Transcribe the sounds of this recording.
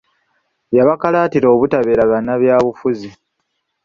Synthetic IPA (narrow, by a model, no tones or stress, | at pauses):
jaβakalaːtiɾoːβutaβeːɾaɣanːaβjaːβufuzi